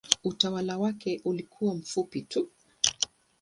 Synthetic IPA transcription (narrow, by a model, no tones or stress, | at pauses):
utawalawakɛʔulikʰuwam̩fupitu